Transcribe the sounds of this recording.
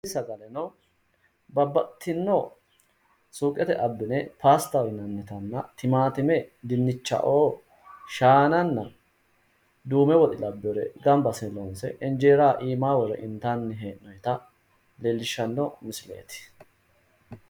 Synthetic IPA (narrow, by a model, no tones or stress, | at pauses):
sɐɡɐlɛnɐw | bɐbːɐt̪ʰːɪnːo | suːkʼːɛt̪ɛʔɐbːɪnɛpaːst̪ɐwɪnːɐnːɛt̪ɐnːɐt̪ɪmaːt̪ɪmɛd̪ɪnːɪt͡ʃːɐ̰ʔoː | ʃaːnɐnːɐ | d̪uːmɛwɔt̪ʼɪlɐbːɔɾɛɡɐmbɐsɪlonsɛ̰ʔɛnd͡ʒeːɾaːʔiːmaːwɔɾɛ̰ʔɪnt̪anːɪɦeːnɔjt̪ɐ | leːlːɪʃːɐnːɔmɪsɪlḛːt̪ɪ̥